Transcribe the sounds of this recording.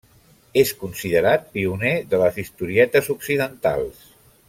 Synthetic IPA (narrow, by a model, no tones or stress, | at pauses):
eskunsiðəɾat̪̚piuneðələzist̪uɾiɛt̪əzuksiðənt̪a̰lˠs